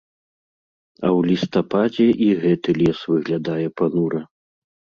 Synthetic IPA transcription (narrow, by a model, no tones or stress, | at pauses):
ɐ̰wlʲist̪apad͡zʲɛʔiɣɛt̪ɨlʲɛsvɨɣlʲad̪ajɛpanuɾɐ